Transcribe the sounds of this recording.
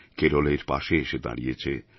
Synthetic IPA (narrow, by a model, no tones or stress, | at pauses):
keɾoleɾpa̰ʃeeʃed̪a̰ɽḭjet͡ɕʰe